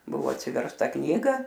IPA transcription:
ˈbʊʋoː ɐtʲsʲɪʋʲɛrsˈtɐ ˈknʲiːɡɐ

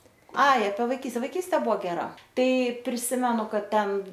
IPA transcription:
ˈɐɪ ɐpʲiɛ ʋɐɪˈkʲiːsʲtʲɛ ʋɐɪˈkʲiːsʲtʲeː ˈbʊʋoː ɡʲɛˈrɐ ˈtɐɪ pʲrʲɪˈsʲɪmʲɛnʊ ˈkɐt ˈtʲɛn

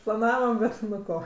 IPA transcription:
plˠɐˈnɑːʋɐm ˈbʲɛt ˈnʊ ˈkoː

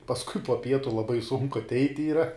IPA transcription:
pɐsˈkʊɪ poː ˈpʲiɛtʊ lˠɐˈbɐɪ sʊŋkʊ ɐtʲˈɛɪtʲ iːˈrɐ

